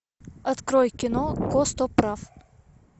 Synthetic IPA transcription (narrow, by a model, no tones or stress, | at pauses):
ɐt̪kɾɔjkʲɪnɔkɔst̪ɔpɾaf